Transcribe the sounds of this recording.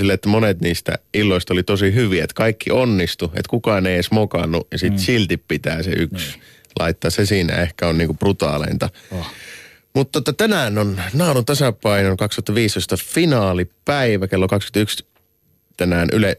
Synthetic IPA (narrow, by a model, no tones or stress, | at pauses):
silːet̪ːæmonet̪niːst̪æ̰ilːoist̪olit̪osiɦyʋiet̪kɑikʰːḭonːist̪uḛt̪kukɑˑːneiesmokɑnːujɑsit̪silt̪ippit̪æːsḛʔyks | lʔɑ̰it̪ːɑːssesiːnæ̰ehkæonniːŋkuprut̪ɑ̰ːlḛnt̪ɑ | mut̪ːot̪ːɑt̪ænæːnonnɑːlunt̪æsæpɑinolkɑkst̪ŭ̥ɑt̪ːɑʋiːst̪oist̪ɑfinɑːlipæiʋækelːokɑksky̥nt̪yks | t̪ænæːnʔy̰le